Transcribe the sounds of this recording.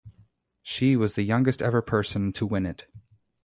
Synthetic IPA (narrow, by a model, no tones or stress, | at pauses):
ʃiwʌzðɨjʌ̃ŋɡɨstɛ̰və˞pʰɜ˞sɨ̃ntʰəwɪ̃nɨt